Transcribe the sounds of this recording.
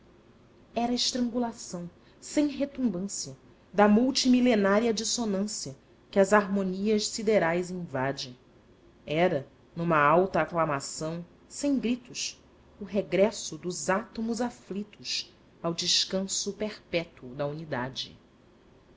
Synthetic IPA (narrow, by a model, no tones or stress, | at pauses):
ɛɾɐɪʃt̪ɾɐ̃ŋɡulasɐ̃w̃ | sẽj̃ɦet̪ũmbɐ̃siɐ | d̪ɐmuwt͡ʃimilenaɾiɐd͡ʒisonɐ̃siɐ | kɪɐzaɾmoniɐʃsid̪eɾajzĩvad͡ʒɪ̃ | ɛɾɐ | nũmɐawt̪ɐːklamasɐ̃w̃ | sẽj̃ɡɾit̪ʊʃ | ʊɦeɡɾɛsʊd̪ʊzat̪omʊzaflit̪ʊʃ | awd͡ʒɪʃkɐ̃sʊpeχpɛt̪uʊd̪ɐunid̪ad͡ʒɪ̰